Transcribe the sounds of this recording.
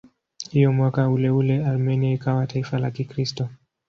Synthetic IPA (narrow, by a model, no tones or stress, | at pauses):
hijɔmwakaulɛulɛalmɛniaikawataifalakikɾistɔ